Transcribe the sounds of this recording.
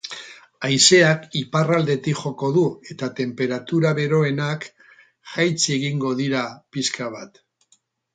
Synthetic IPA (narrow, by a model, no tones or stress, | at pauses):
ajse̞akiparald̪e̞t̪ikʝo̞ko̞ðue̞t̪at̪e̞mpe̞ɾat̪uɾaβe̞ɾo̞e̞nak | ʝajt͡seɣiŋɡo̞ðiɾapiskaβ̞at̪